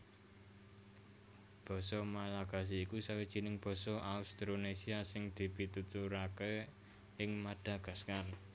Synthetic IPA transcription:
b̥ɔ̤sɔmalaɡ̥a̤s̬iːkusawid̥ʒ̥i̤nɪŋb̥ɔ̤sɔʔaust̪ɾonesiasɪŋd̪̥i̤bi̤t̪ut̪uɾake | ɪŋmaɖ̥ä̤ɡ̥a̤skar

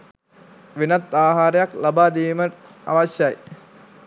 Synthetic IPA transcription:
ʋinɐt̪ːaːɦaːɾəjaklabaːd̪iːmə | a̰ʋaɕjaj

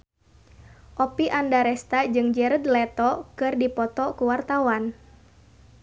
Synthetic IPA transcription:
ʔɔpiʔandaɾɛst̪ad͡ʒɨŋd͡ʒɛɾəd̪lɛt̪ɔkɨrdipɔt̪ɔkuwart̪awan

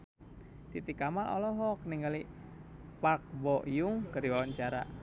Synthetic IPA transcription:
t̪it̪ikamanʔɔ̰lɔɦɔkniŋɡali | pak̚bɔʔjʊŋkəɾiwawaɲt͡ʃaɾa̰

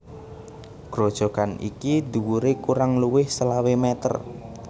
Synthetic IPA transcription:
ɡ̥ɾod̥ʒ̥ɔ̤kanḭkid̪uwuɾekuɾaŋluwɪhsəlawemɛt̪ə̰r

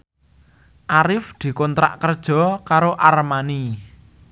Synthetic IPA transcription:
ʔaɾɪfd̪̥i̤kɔnt̪ɾa̰ʔkərd̥ʒ̥ɔ̤kaɾoʔarmani

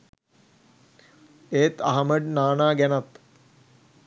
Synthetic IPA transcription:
eːt̪ɐɦɐməɖ̚naːnaːɡænat̪

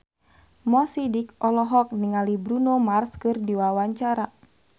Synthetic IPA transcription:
mɔsidikɔlɔɦɔk̚niŋalibɾunomarskɨrdiwawaɲt͡ʃaɾa

